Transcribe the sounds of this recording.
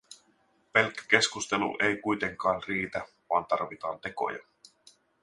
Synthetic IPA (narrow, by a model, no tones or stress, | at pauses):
pe̞lkːæ̥ke̞skust̪e̞lṵʔe̞jkujt̪e̞ŋkɑːnriːt̪æ | ʋɑːnt̪ɑrʋit̪ɑːnt̪e̞ko̞̰jɑ̰